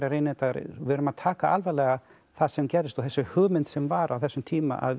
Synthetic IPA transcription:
ɾaɾejnɛt̪aɾ̰vɪɾʏmaðt̪ʰaːkaʔalvɛlɛɣa | θaðsɛmcɛːɾðɪst̪ɔɣθɛsːʏhʏːɣmɪnt̪sɛmvaɾʔa̰wθɛsːʏmt̪ʰiːma̰ʔa̰ð

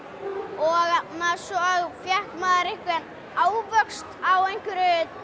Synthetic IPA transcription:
ɔɣatnasɔɣfjɛhk̪maðaɾɪhkvɪɛn | aːwvœkst̪awejɲ̥kʏɾʏ

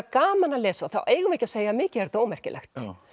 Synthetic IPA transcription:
kaːmanalɛːsaθawʔeːjɣʏveːjcaseːjamɪːcɪɛɾ̥t̪oːwmɛr̥cɪ̰lʔɛ̰xt̪

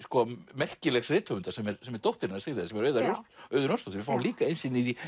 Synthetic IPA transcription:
skɔmɛr̥cɪlɛxsrɪːt̪fœʏnt̪asɛmɛɾsɛmɛɾt̪owht̪ɪɾɪnasɪɾɪðɪsɛmɛɾœːɥðaɾsœːɥðʏɾnœst̪owt̪ɪvɪfawnliːkaejnsɪniði

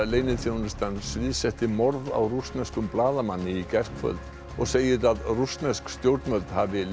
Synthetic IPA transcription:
leːjnɪθjownʏst̪ansvɪðsɛht̪ɪmɔɾða̰wrust̪nɛskʏmplaːðamanːɪicɛr̥kfœ̰lt̪ | ɔɣseːjɪɾaðrust̪nɛskst̪jowɾt̪nvœlt̪havɪl

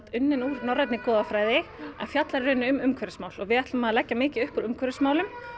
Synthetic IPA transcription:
t̪ʏnːɪnuːɾnɔrːajt̪nɪkɔːðafɾaːjðɪɛ̰nfjat̪laɾɪɾʏːnɪʏmʏmkʰvœɾʏsmaːwlɔɣvɪɛht̪ʏmaðalɛcːamɪːcɪʏhpʏɾʏmkʰœɾɪsmaːwlʏm

